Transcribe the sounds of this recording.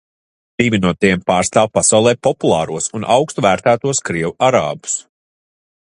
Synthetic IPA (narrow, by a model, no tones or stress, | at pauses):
d̪̥ivʲinuɔt̪iɛmpaːɾst̪aːwpasawlˠɛːpɔpulˠɑːɾuɔsunʔa̰wkst̪uvæːɾt̪æːt̪uɔskɾiɛwuʔaɾa̰ːbu̥s